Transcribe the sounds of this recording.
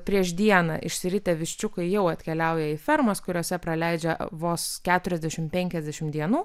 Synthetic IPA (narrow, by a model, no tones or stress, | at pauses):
pʲɾʲiɛʃd̪ʲiɛnɐ̰ʔɪʃsʲɪɾʲɪt̪ʲɛʋʲɪʃʲt͡ʃʲʊkɐɪjɛʊɐt̪ʲkʲɛlʲɛʊjɛiːfʲɛɾmɐskʊɾʲoːsʲɛpɾɐlʲɛɪd͡ʒʲɛʋoːskʲæːt̪ʊɾʲɛzʲd̪ʲæʃʲɪmpʲɛŋʲkʲɛzʲd̪ʲæʃʲɪmd̪ʲiɛnuː